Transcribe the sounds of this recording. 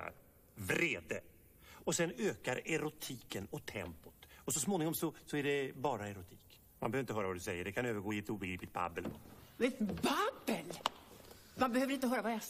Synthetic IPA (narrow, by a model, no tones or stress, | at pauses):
vɾeːd̪ə | ɔsɛnøːkaɾɛɾʊt̪ʰiːkənɔt̪ʰːɛ̰mpʊ̥t̪ɔsɔsmoːnɪŋɔmsɔsɔæɖɛbɑːɾaɛɾʊt̪ʰiːk | ma̰nbɛøːɾɪnt̪hœːɾavad̪ʉsɛjːəɖɛkʰanøːvəɾɡoːɪɛt̪ːuːbɛɡɾiːplɪt̪̚ba̰bːəldɛt̪babəl | manbɛhøːvɾɪnt̪əɦœːɾavaja